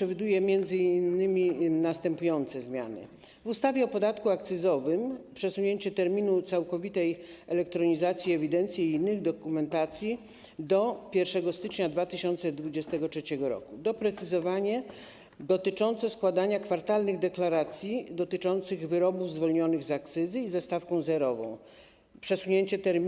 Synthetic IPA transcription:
ʂɛvʲid̪ujɛmʲjɛnd̪zɘinːɘmʲinast̪ɛmpujɔnt̪sɛzmʲja̰nɘ̰ | vust̪avʲjɛɔpɔd̪at̪kuak̚t̪sɘzɔvɘmpʂɛsuɲeɲt͡ɕɛt̪ɛɾmʲinut̪sawkɔvʲit̪ɛjɛlɛkt̪ɾɔɲizat̪sʲjiɛvʲid̪ɛnt̪sʲjiinːɘɣd̪ɔkumɛnt̪at̪sʲji | d̪ɔpʲjɛɾfʂɛɡɔst̪ɘt͡ʂɲad̪vat̪ɘɕɔnt̪sɛd̪vud͡ʑɛst̪ɛɡɔtʂɛt͡ɕɛɡɔɾɔ̰kud̪ɔpɾɛt̪sɘzɔvaɲɛ | d̪ɔt̪ɘt͡ʂɔnt̪sɛskwad̪aɲakfaɾt̪alnɘɣd̪ɛklaɾat̪sʲjid̪ɔt̪ɘt͡ʂɔnt̪sɘɣvɘɾɔbuvzvɔlɲɔnɘɣzak̚t̪sɘzɘizɛst̪afkɔ̃w̃zɛɾɔvɔ̰̃w̃ | pʂɛsuɲeɲt͡ɕɛt̪ɛɾʲ

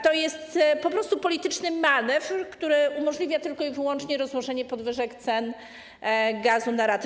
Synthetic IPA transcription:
t̪ɔjɛst̪pɔpɾɔst̪upɔlʲit̪ɘt͡ʂnɘmanɛfkt̪uɾɘʔumɔʐlʲivʲjat̪ɘlkɔivɘwɔnt͡ʂɲɛɾɔzwɔʐɛɲɛpɔd̪vɘʐɛkt̪sɛn | ɡazunaɾat̪

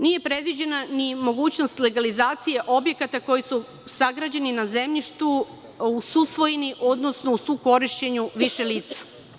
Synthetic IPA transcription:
nije̞pɾe̞d̪ʋid͡ʑe̞nanimo̞ɡuːt͡ɕno̞st̪le̞ɡalizaːt̪sije̞ʔo̞bje̞kat̪ako̞jisu | saɡɾad͡ʑeninaze̞mʎiʃt̪u | ususʋo̞jeniʔo̞d̪nosno̞usuko̞ɾiʃt͡ɕe̞ɲuʋiʃe̞liːt̪sḁ

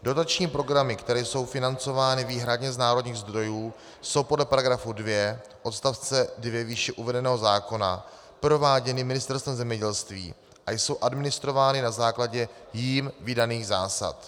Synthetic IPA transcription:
do̞t̪at͡ʃɲiːpɾo̞ɡɾamɪkt̪ɛɾɛːso̞wfɪnant͡so̞vaːnɪviːɦɾadɲɛznaːɾo̞dɲiːɣzd̪ɾo̞juː | so̞wpodlɛpaɾaɡɾafudvjɛ | ʔo̞t̪st̪aft͡sɛdvjɛviːʃɛʔuvɛdɛnɛːɦozaːko̞na̰ | pɾo̞vaːɟɛnɪmɪnɪst̪ɛɾst̪vɛmzɛmɲɛɟɛlst̪vḭː | ʔajso̞wʔadmɪnɪst̪ɾo̞vaːnɪnazaːklaɟɛjiːmvɪdaniːɣzaːsa̰t̪

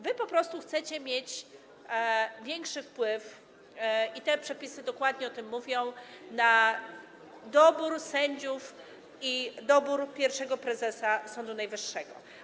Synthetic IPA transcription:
vɘpɔpɾɔst̪uxt̪sɛt͡ɕɛmʲjet͡ɕ | vʲjɛŋkʂɘfpwɘf | it̪ɛpʂɛpʲisɘd̪ɔkwad̪ɲɛɔt̪ɘmːuvʲjɔ̃w̃na | d̪ɔbuɾsɛɲd͡ʑuf | id̪ɔbuɾpʲjɛɾfʂɛɡɔpɾɛzɛsasɔnd̪unajvɘʂːɛɡɔ̰

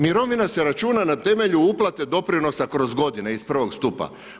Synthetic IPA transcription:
miɾo̞ʋinase̞ɾat͡ʃuːnanat̪e̞me̞ʎuuplˠat̪e̞d̪o̞pɾino̞sakɾo̞zɡo̞d̪ineispr̩ʋo̞ɡst̪upa̰

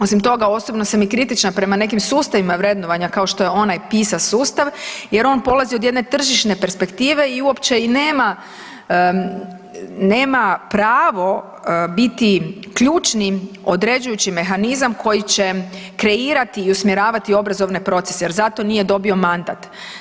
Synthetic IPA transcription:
o̞simt̪o̞ɡao̞sobno̞samikɾit̪it͡ʃnapɾe̞mane̞kimsuːst̪aʋimaʋɾe̞d̪noʋaɲakao̞ʃt̪o̞jeo̞najpiːsasuːst̪aʋje̞ɾo̞npo̞lˠaziod̪jed̪ne̞t̪r̩ʒiʃne̞pɾspe̞kt̪iːʋe̞iuo̞pt͡ʃe̞ineːma | ne̞ːmapɾaːʋo̞ | bit̪ikʎuːt͡ʃnio̞d̪ɾe̞d͡ʒujut͡ɕt͡ʃime̞xanizamko̞jit͡ɕe̞kɾe̞iːɾat̪iːusmjeɾaːʋat̪io̞bɾazo̞ʋne̞pɾo̞t̪seseje̞ɾzat̪onije̞d̪o̞bio̞mand̪a̰t̪

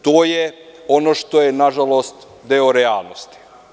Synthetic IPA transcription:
t̪oːjeonoʃt̪ojenaʒalˠost̪ | d̪eoɾealˠnost̪i̥

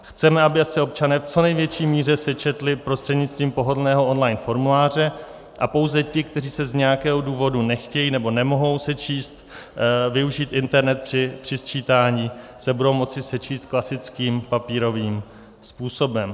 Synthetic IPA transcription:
xt͡sɛmɛabɪasɪo̞pt͡ʃanɛːft͡so̞nɛjvjɛt͡ʃiːmiːr̝ɛsɛt͡ʃɛt̪lɪpɾost̪r̥ɛd̪ɲɪt͡st̪viːmpo̞ɦo̞dlnɛːɦo̞o̞nlajnfo̞ɾmulaːr̝ɛ | ʔapo̞wzɛcɪkt̪ɛriːsɛzɲɛjakɛːɦoduːvo̞dunɛxcɛjiːnɛbo̞nɛmo̞ɦo̞wsɛt͡ʃʰiːst̪vɪuʒiːt̪ʔɪnt̪ɛɾnɛt̪̚pɪpr̝̥ɪst͡ʃiːt̪aːɲiːsɛbudowmo̞t͡sɪsɛt͡ʃiːst̪̚klasɪt͡skiːmpapiːɾo̞viːm | spuːso̞bɛm

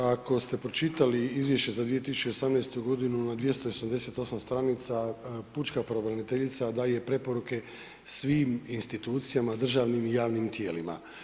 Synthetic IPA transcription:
ako̞st̪e̞pɾo̞t͡ʃit̪aliizʋje̞ʃt͡ɕe̞zad̪ʋije̞t̪isu̥t͡ɕeosamnajst̪uɡo̞d̪inunad̪ʋjest̪oiosamd̪e̞se̞t̪o̞samst̪ɾanit̪saput͡ʃkapɾobɾanit̪e̞ʎit̪sad̪aːjepɾe̞po̞ɾuke̞ | sʋiːminst̪it̪uːt̪sijamad̪r̩ʒaːʋnimijaːʋnimt̪je̞ːlima̰

